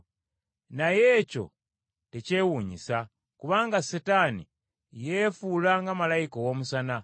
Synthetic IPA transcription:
naje̞ːco̞̰ | tece̞ːwuːɲḭsa | kuβaːŋɡasetanḭ | je̞fuːlaŋɡamalajikowo̞ːmusana

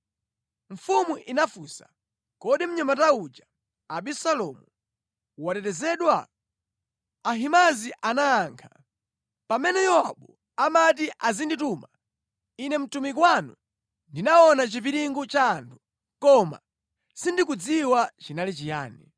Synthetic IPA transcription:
ɱ̩fumuʔinafuːsa̰ | kɔɗim̩ɲamataud͡ʒa | aɓisalɔmu | watɛtɛzɛɗwa̰ | ɦimaziʔanaːŋkʰa | pamɛnɛjɔwaɓu | amat̬iʔazindituːma | inɛm̩tumik̬wanṵ | ndinaɔnat͡ʃiviɾiŋɡut͡ʃaːntʰu̥ | kɔma̰ | sindikud͡ziwat͡ʃinalit͡ʃija̰ːni

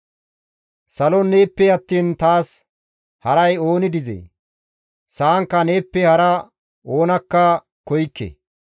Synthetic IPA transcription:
sɐlɔne̞ːpːɛɐt̪ːiːnt̪aːs | hɐɾɐjo̞ːnɪd̪ɪzḛː | saːŋkːɐne̞ːpːɛhɐɾɐ | oːnɐkːɐ | kɔjkːḛ

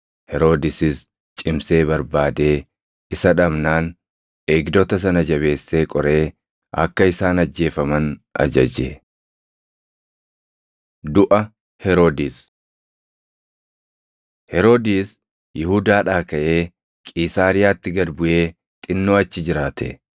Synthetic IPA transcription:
hɛɾo̞ːd̪ɪsɪs | t͡ʃʼɪmse̞ːbɐɾbaːd̪e̞ː | ɪsɐᶑɐbnaːn | ʔeːɡd̪oːt̪ɐs̬ɐnɐd͡ʒɐβe̞ːsːe̞ːkʼɔɾe̞ː | ɐ̰kːɐɪsaːnɐd͡ʒːe̞ːfɐmɐnɐ̰d͡ʒɐ̰d͡ʒe | d̪ʊʔɐ | hɛɾo̞ːd̪iːs | hɛɾo̞ːd̪iːs | jɪhʊd̪aːᶑaːkɐʔe̞ː | kʼiːsaːɾɪjaːt̪ːɪɡɐd̪bʊʔe̞ː | t̪ʼɪnːoːɐt͡ʃːɪd͡ʒɪɾaːt̪ʰɛ̰

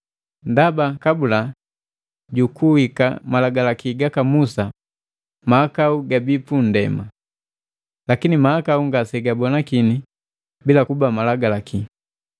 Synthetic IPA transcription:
ndabakabula | ɟukuwika̰malaɡalakiɡakamusa | maːkauɡabipundɛ̰ma | lakinimaakauŋɡasɛɡabɔnakini | bilakubamalaɡalaki

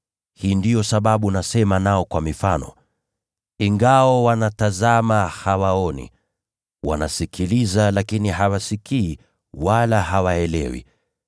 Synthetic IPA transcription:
hiːndijɔsaɓaɓunasɛmanaɔkwamifanɔ̰ | iŋɡawɔwanatazamahawaɔnḭ | wa̰na̰sikʰilizalakiniɦawasikiː | walaɦawaɛlɛ̰wḭ

